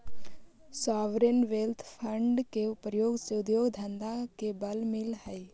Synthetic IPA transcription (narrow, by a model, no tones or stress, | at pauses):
saːʋɾenʋeːlt̪ʰpʰə̃ɳɖkeʊpɾjoːɡseʊd̪joːɡd̪ʱə̃nd̪ãkebɐlmɪlɦəi